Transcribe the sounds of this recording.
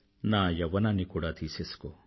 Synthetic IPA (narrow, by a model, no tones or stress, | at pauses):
naːjɐʋɐnanikuːɽad̪ʰiːsisko